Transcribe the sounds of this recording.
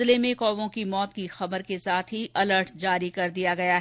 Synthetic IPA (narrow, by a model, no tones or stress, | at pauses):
lemẽkɔːʋõkimɔːt̪̚kixɐbəɾkesaːt̪ʰɦiʔɐləɾʈd͡ʒaːɾikɐɾd̪ijaɡɐjaɦ